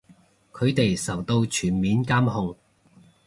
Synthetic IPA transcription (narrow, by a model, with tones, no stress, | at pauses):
kʰɵ˨˧ɥt̪e˨jsɐ˨˩wt̪o˧wt͡ʃʰyː˨˩nmiː˨˥nkaː˥mhʊ˧ŋ